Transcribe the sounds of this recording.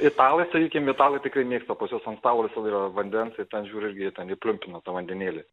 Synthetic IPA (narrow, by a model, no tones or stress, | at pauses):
ɪt̪ɑːlˠɐɪsɐkʲiːkʲɪmʋʲɪt̪ɑːlˠɐɪt̪ʲɪkrɐɪmʲeːkst̪ɐpɐsʲjoːsɐnst̪ɑːlˠoːʋʲɪsɐlˠiːrɐʋɐnʲd̪ʲɛnsɪt̪ʲɛnʒʲuːɾʲɪɾʲɡʲɪt̪ʲɛnɪpʲlʲʊmʲpʲɪnɐt̪ɐʋɐnʲd̪ʲɛnʲeːlʲɪ